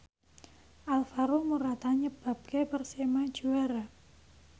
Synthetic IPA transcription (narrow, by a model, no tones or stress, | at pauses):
ʔalfaɾomuɾat̪aɲəb̥a̤p̚kepərsemḁd͡ʒuaɾa